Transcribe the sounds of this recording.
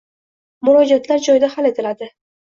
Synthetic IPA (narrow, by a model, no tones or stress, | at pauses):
mʊɾɒd͡ʒat̪ʰlaɾd͡ʒɒjɪd̪ahale̞t̪ʰɪlad̪ɪ